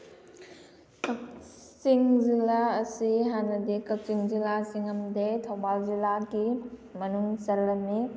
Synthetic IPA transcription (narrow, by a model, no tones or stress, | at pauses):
kɐk̚ | t͡siŋzilaɐsiɦanɐdikɐk̚t͡ʃiŋzilasiŋɐmdetʰowbalzilaɡimɐnuŋsɐlːɐmni